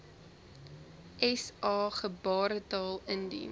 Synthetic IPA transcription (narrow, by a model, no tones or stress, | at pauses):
ʔɛsʔɑːχəbɑːɾətɑːlˠəndḭ